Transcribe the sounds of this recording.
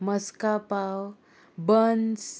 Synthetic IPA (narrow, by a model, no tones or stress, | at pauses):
məskapaw | bəns